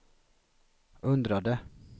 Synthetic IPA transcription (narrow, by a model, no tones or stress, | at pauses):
ɵnd̪ɾad̪ə